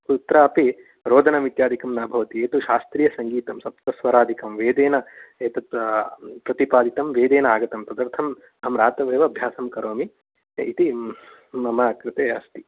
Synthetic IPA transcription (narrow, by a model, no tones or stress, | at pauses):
kut̪ɾɐɐpi | ɾoːd̪ʱɐnɐʋit̪jaːd̪ʱikɐmnaːbʱɐʋɐt̪ieːt̪uʃaːst̪ɾijɐsɐŋɡiːt̪ɐmsɐp̚t̪ɐsʋɐɾaːd̪ʱikɐmʋeːd̪eːnɐeːt̪ɐt̪pɾɐt̪ipaːd̪it̪ɐmʋeːd̪eːnɐaːɡɐt̪ɐmt̪ɐd̪ɐɾt̪ʰɐm | ɐɦɐmɾaːt̪ɐʋeːʋɐɐbʱjaːsɐmkɐɾoːmi | it̪i | mɐmɐːkɾɪt̪eːɐst̪i